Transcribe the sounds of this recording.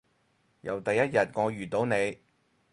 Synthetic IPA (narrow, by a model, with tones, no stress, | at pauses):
jɐ̰˨wt̪ɐ˨jːɐ˥t̚jɐ˨t̚ŋɔː˨˧jyː˨t̪o˨˧wne˨˧j